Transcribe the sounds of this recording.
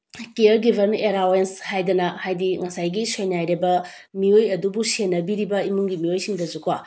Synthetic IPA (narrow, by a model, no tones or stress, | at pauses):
keɐɾɡibʱeɾneɾawenshajdɐnɐhajdiŋɐsajɡisojnajɾebɐ | miojɐdubusenːɐbiɾibɐimuŋɡimiojsiŋdɐzukʰwa